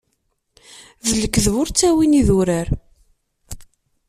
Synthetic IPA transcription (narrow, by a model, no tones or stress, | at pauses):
ðələkːəðvʊɾt͡sːæwiniðʊɾəɾ